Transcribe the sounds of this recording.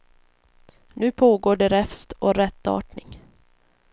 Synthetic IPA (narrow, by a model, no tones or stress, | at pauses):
nʉ̟ːpʰoːɡoːɖɛɾɛfst̪ɔɾɛt̪ːɑ̰ːʈɳɪŋ